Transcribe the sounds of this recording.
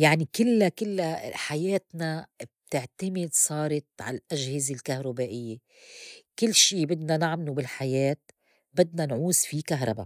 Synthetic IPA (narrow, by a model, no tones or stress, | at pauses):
jaʕnikɪlːakɪlːaħajeːt̪nab̚t̪ɪʕt̪amɪd̪sˤɑːɾˤɑt̪ʕa̰llʔaʒhɪzelkahɾˤʊbaːʔɪjːe | kɪlːʃiːbɪd̪nanaʕmlubɪlħajeːt̪̚ | bɪd̪nanʕuːsfikaɦɾˤɑ̰ba̰